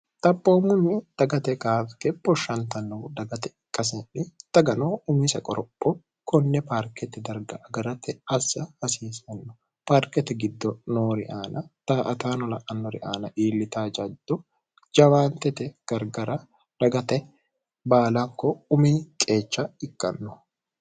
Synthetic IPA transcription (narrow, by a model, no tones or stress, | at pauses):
t̪ʼɐpːoːmʊnːɪd̪̥ɐɡɐt̪ɛkaːfkɛpʼːɔʃɐnt̪ɐnːɔbʊd̪ɐɡɐt̪ɛɪkʼːɐs̬ɛᶑɪd̪̥ɐɡɐnoːʔʊmisɐkʼɔɾɔpʼːɔ | kɔnːɛpaːɾkɛt̪ɛd̪ɐɾɡɐʔɐɡɐɾɐt̪ɛɐsːɐhɐsiːsɛnːɔ̥ | paːɾkɛt̪ɪɡɪd̪ːɔnoːɾɪ̰ʔaːnɐt̪ɐʔɐt̪aːnɔlɐʔɐnːɔɾɪ̰ʔaːnɐʔiːlːɪt̪aːd͡ʒɐd̪̥ːɔ | d͡ʒɐwaːnt̪ɛt̪ɛɡ̥ɐɾɡɐɾɐ | d̪̥ɐɡɐt̪ɛ | baːlakːɔʊmiːkʼe̞ːt͡ʃːɐɪkʼːɐ̰nːɔ